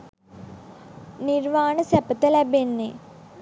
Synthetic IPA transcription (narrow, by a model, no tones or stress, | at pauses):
niɾʋaːɳɨsɐpɐt̪ɐlɐbenːe